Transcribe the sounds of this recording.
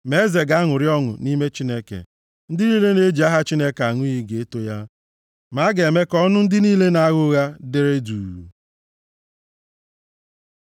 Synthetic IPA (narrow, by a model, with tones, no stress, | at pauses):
me˨˦ze˨ɡa˨˦ŋʊ˨ɾɪ˦ɔ˦ŋʊ̰˨ni˦me˦t͡ʃi˦ne˦kḛ˨ | n̩˦dɪ˦ni˦le˦ne˦d͡ʒi˨a˦ɦa˦t͡ʃi˦ne˦ka˨ŋʊ˦i˦ɡe˨e˦to˦ja˦ | ma˨˦ɡe˨me˦kɔ˦nʊ˦n̩˦dɪ˦niː˦le˦na˦ɣʊ˦ɣa˦de˦ɾe˦duː˨u˨